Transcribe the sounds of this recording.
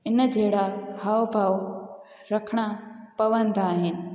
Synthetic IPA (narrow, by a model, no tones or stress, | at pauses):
ɪnd͡ʑʱeːɦɪɽaɦaːʋbʱaːʋ | ɾɐkʰɽ̃apɐʋənd̪aːɦɪnɪ̆